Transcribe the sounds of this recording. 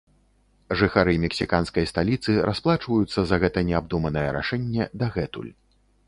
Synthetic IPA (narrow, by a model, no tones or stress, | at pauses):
ʐɨxaɾɨmʲɛksʲikanskɐjst̪alʲit̪sɨɾʔasplˠat͡ʂvɐjut̪sːɐzɐɣɛt̪ɐnʲɛab̚d̪umɐnɐjɛɾa̰ʂɛnʲːɛd̪aɣɛt̪ṵlʲ